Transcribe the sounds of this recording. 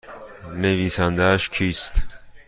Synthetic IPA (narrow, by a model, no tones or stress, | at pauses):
neviːsænd̪ææʃcʰiːst̪